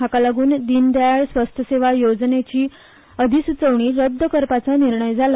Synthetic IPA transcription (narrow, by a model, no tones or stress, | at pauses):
akalaɡuːnd̪ind̪jaaɭsʋəst̪ʰjəseʋajod͡znet͡ɕiː | əd̪ʱisut͡səʋɳiːɾəd̪ʱːəkəɾpat͡saniɾɳəjd͡zʱal